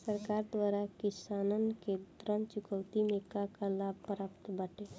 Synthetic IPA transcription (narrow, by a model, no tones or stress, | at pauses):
səɾkaɾd̪waɾakɪsanənked̪ɾənt͡ʃʊkəwt̪imekakalab̚ʱpɾapt̪bəʈe